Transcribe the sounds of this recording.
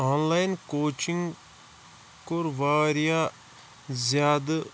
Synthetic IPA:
aːnlaːjnkoːt͡ʃĩŋɡ | koɾʋaːɾija | zjaːd̪

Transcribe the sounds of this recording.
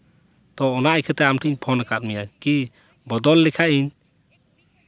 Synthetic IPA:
t̪ɔːnaajkʰɛt̪ɛamʈʰiɲpʰɔnakat̪̚mijaki | bɔd̪ɔlːɛkʰaʔiɲ

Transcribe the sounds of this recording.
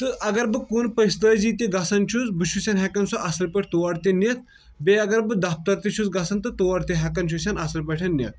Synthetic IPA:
t̪ɨʔɐɡɐɾbɨkunpɐst̪ɐziːt̪ʲiɡɐsɐnt͡ʃʰuzbɨt͡ʃʰusʲɐnɦɛkɐnsoʔasɐɾpɐʈʰt̪oʋaɾt̪inet̪̚ | beɐɡɐɾbɨd̪ap̚t̪ɐɾt̪it͡ʃʰuzɡɐsɐnt̪ɨt̪oʋaɾt̪iɦɛkɐnt͡ʃʰusʲɐnasɐɾpɐʈʰɐnnːʲɐ̰t̪̚

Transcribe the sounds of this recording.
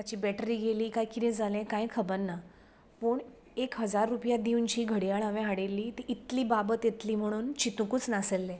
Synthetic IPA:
t̪at͡ɕiːbɛʈɾiːɡeliːkajkid̪ɛ̃d͡zʱalɛ̃kajkʰəbəɾnːa | pəːɳ | ekɦəd͡zaɾːupjad̪iunt͡ɕiːɡʱəɽijaɭəʋẽɦaɽelːiːt̪iʔːt̪liːbabət̪et̪liːm̤əɽ̃uːnt͡ɕit̪ukuːt͡snaselːẽ

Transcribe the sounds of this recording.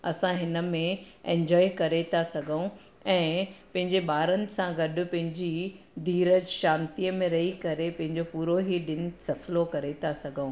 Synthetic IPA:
ɐsãɦɪnə̆mẽ | ẽɲd͡ʑɔːikɐɾet̪ʰasɐɡʱəũ | ɛ̃ːpɐ̃ɦɪ̃ɲd͡ʑeɓaːɾənɪ̆sãɡɐɗʊ̆pɐ̃ɦɪ̃ɲd͡ʑi | d̪ʱiːɾəd͡ʑʃãːnt̪ijəmẽɾɐɦikɐɾepɐ̃ɦɪ̃ɲd͡ʑopuːɾoɦiɗɪnɪ̆sɐflokɐɾet̪ʰasɐɡʱəũ

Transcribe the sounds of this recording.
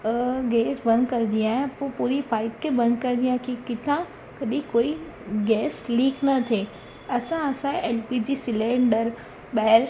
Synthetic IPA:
ɡeːsbɐ̃nd̪kɐɾɪ̃nd̪iaːɦɪ̃poːpuːɾipaːɪp̚kebɐ̃nd̪kɐɾnd̪ijãɦkʰikɪt̪ʰã | kɐɗĩkoːi | ɡɛːsliːknɐt̪ʰe | ɐsãɐsãeːlpid͡ʑiːsɪlẽɳɖəɾ | ɓɛːl

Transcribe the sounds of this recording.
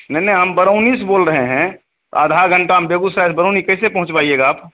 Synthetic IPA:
nɛnɐɦɦəmbəɾəʊnisboːlɾəɦeɦɛ̃ | t̪aːd̪ʱaɡʱə̃ɳʈaɦəmbeːɡusɾaːɪsbəɾoːnikɛːsepɐɦʊ̃t͡ʃpaːieːɡaaːp

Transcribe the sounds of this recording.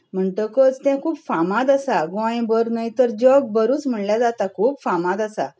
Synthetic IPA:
m̤əɳʈəkət͡st̪ãkʰuːpfamãd̪əsaɡɔ̃j̃bəɾnəjt̪əɾd͡ʑɔɡ̚bəɾuːt͡sm̤əɳljad͡zat̪akʰuːpfãmãd̪əsa̰

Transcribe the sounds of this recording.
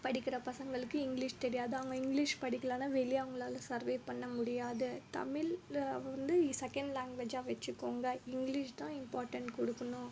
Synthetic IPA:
pɐɽɪkːɪɾɐpɐsɐŋɡɐɭɯkːɯɪŋɡlɪʂt̪ɛɾɪjaːðɯɐʋɐŋɡɐɪŋɡlɪʂpɐɽɪkːɐlaːnaʋɛlɪjɐʋɐŋɡɐɭaːlɐ̃sɐɾʋeːpɐɳːɐmʊɽɪjaːðɯt̪ɐ̰mɪlʋɐnd̪ɯiːsɛkɐɳɖlaːŋɡʋeːd͡ʒaːʋɐt͡ʃːɯkːoːŋɡɐɪŋɡlɪʂt̪ãːɪmpaːɾʈɐɳʈkɔɽɯkːɐnʊ̃

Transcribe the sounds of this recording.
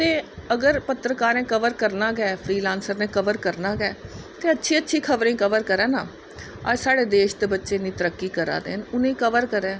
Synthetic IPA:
t̪eːəɡəɾpət̪ɾəkaːɾẽːkəʋəɾkəɾnaːɡɛːpʰɾiːlãːnsəɾnẽːkəʋəɾkəɾnaːɡɛːt̪eːətːʃʰiːətːʃʰiːkʰəʋɾẽːkəʋəɾkəɾɛ̃ːnaː | ə̰ːd͡ʒsaːɽeːd̪eːʃt̪eːbətːʃeːnĩːt̪əɾəkːiːkəɾa̰ːd̪ḛːnʊnẽːkəʋəɾkəɾɛ̃ː

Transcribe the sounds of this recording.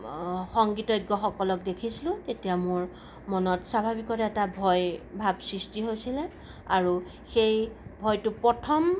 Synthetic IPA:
xɔŋɡitɔjɡːɔxɔkɔlɔk̚dekʰisilʊ̃tetijamʊɹ | mɔnɔtsabʱabikɔtɛɛtabʱɔjbʱabsɹistiɦojsilɛ | aɹu | xejbʱɔjtʊpɹɔtʰɔm

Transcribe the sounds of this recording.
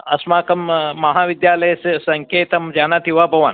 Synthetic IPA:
ɐ̰smaːkɐmːɐɦaːʋid̪jaːlɐjssɐŋkʰeːt̪ɐmd͡ʒaːnat̪iʋabʱɐʋan

